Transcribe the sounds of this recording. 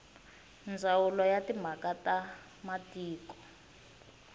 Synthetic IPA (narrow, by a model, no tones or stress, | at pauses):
nd͡zawulɔjatim̤akata | matiːkɔ̥